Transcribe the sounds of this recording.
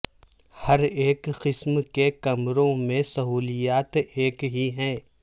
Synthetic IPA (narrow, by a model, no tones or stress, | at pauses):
hɐɾeːkqɪsmkekɐmɾõmẽsɐɦuːlijaːt̪eːkɦiɦɛ̃ː